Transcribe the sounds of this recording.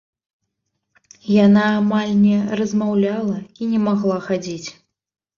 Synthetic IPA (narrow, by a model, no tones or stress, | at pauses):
janaːmalʲnʲɛrɐzmawlʲalˠɐinʲɛmaɣlˠaxad͡zʲit͡sʲ